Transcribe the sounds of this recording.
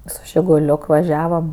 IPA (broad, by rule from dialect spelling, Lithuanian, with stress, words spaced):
sʊ ʒʲɪɡʊˈlʲoːk ʋɐˈʒʲæːʋɐm